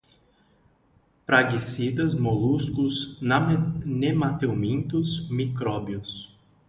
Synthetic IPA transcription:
pɾaɡisid̪ɐzmoluskʊznnemat̪ewmĩnt̪ʊsmikɾɔbiʊs

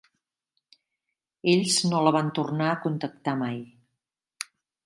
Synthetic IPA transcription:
eʎznoləβ̞ant̪urnaəkunt̪ək̚t̪amaj

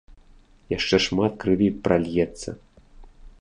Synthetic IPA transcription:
jaʂt͡ʂɛʂmat̪kɾɨvʲipɾalʲjɛt̪sːɐ̰

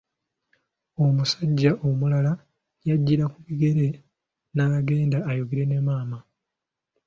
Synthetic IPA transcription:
o̞musaɟːaʔo̞mulala | jaɟːiɾakuβiɡe̞ɾe̞ | naaɡe̞ːndaːjoɡeɾe̞ne̞maːma

